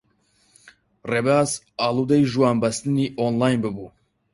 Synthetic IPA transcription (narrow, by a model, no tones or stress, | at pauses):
rebaːs | aːlˠud̪ɛjʒuwaːnbɐst̪ɨniːʔonlaːjnbɨbuː